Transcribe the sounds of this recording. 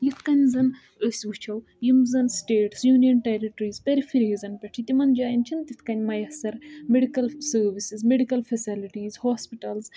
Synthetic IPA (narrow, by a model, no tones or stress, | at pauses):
jit̪ʰkɐnʲzɐn | əsʲʋut͡ʃʰɐw | jimzɐnsʈeːʈsjuːnijɐnʈeɾiʈɾiːzpeɾifʰiɾɦizɐnpʲɐʈʰit̪imɐnd͡ʒaːjint͡ʃʰint̪it̪ʰkɐnʲmɐjɐsɐɾmeɖikɐlsəːɾʋisizmeɖikɐlfʰɐsiliʈiːzhoːspiʈɐlz